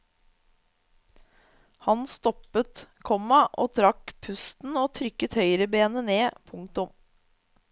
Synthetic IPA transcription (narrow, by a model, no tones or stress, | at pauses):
hɑnst̪ɔpət̪kʰɔmɑʔoːt̪ʰɾɑkpʰʉst̪n̩oːt̪ʰɾʏkət̪hœʏɾəbeːnəneːpʰʊŋk̚t̪ʊm